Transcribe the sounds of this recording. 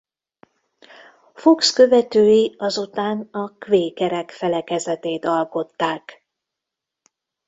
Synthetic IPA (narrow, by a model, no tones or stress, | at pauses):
fo̞kskø̞vɛt̪øːjiɒzut̪aːnɒkveːkɛɾɛkfɛlɛkɛzɛt̪eːt̪ɒlko̞t̪ːaːk